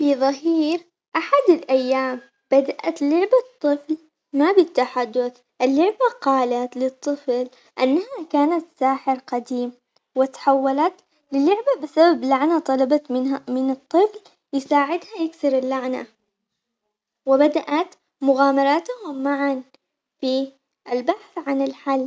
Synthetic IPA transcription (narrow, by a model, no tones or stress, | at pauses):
fiðˤɑɦiːɾ | ʔaħad̪ɪlʔajːaːm | b̥ad̪aʔa̰t̪lʊʕbat̪ˤːɨfl | mabɪt̪ːaħad̪ːʊθ | ʔɪlːʊʕbaqɑːlat̪lɪt̪ˤːɨfl | ʔanːahakaːnat̪saːħɪɾqad̪iːm | wɪt̪ħawːalat̪ | lɪlʊʕbabɪsabablaʕnat̪ˤɑlɑbɑmɪamɪnɨt̪ˤːɨfl | jɪsaːʕɪd̪hajɪksɪɾɪlːaʕna̰ | wɪbad̪aʔat̪ | mʊɣaːmɑɾˤɑːt̪hʊmːaʕan | fi | ʔɪlbaħθʕanɪlħalː